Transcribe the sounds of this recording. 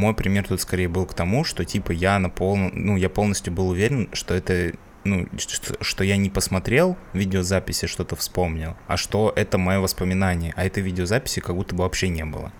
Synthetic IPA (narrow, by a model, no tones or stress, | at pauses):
mo̞jpɾʲɪmʲe̞rt̪ut̪skɐɾʲejəbɨlˠkt̪ɐmuʂt̪o̞tʲipəjanɐpolˠnənujapo̞lˠnəsʲtʲjʊbɨlˠʊvʲeɾʲɪnʂt̪o̞ɛt̪ə | nut̪oʂt̪o̞janʲɪpəsmɐt̪ɾʲe̞lˠvʲidʲɪozapʲɪsʲɪʂt̪o̞t̪əfspo̞mnʲɪlˠɐ̰ʂt̪o̞ʔɛt̪əmɐjo̞vəspəmʲɪnanʲɪjəʔɐɛt̪əjvʲidʲɪozapʲɪ̥sʲɪkɐɡbut̪ːəbɨvɐpɕːenʲe̞bɨ̰lˠə̰